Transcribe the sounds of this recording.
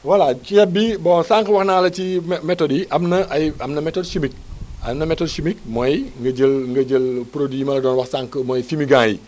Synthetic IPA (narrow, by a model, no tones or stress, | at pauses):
wɐlat͡ʃiɛbːibɔːnsaŋkəwɐxnaːlɐcimɛtɔdiʔɐmnɐʔɐjɐmnɐmɛtɔdʃimik̚ɐmnɐmɛtɔdʃimik̚mɔjŋɡɐɟəlŋɡɐɟəlpɾodimɐlɐdɔːnwɐxsaːŋkəmɔjfimiɡãːji